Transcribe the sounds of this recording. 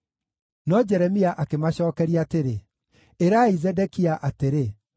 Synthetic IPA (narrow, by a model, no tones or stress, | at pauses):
nɔd͡ʒɛɾɛmiaʔakemaɕɔːkɛɾiaːteɾe | eɾaizɛdɛkiaʔateɾe